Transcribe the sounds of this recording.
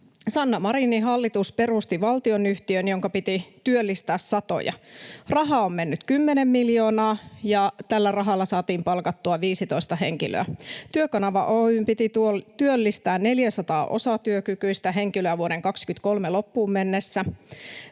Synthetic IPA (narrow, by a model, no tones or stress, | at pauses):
sɑnːɑmɑɾiniɦɑlːit̪uspe̞rust̪iʋɑlt̪io̞nyht̪iønjo̞ŋkɑpit̪it̪yølːist̪æːssɑt̪o̰jɑ̰rɑɦɑomme̞nːyt̪kymːene̞mːiljo̞ːnɑːjɑt̪ælːærɑɦɑlːɑsɑːt̪iːmpɑlkɑt̪ːuɑʋiːsit̪oist̪ɑhe̞̰ŋkilø̰æ̰t̪yøkɑnɑʋɑ̰ʔoympit̪it̪t̪yølːist̪æːnne̞ljæsɑt̪ɑ̰ːʔo̞̰sɑt̪yøkykyist̪æɦe̞ŋkiløæʋuoɾeŋkɑkskyt̪ko̞lmelopːuːmmenːesːæ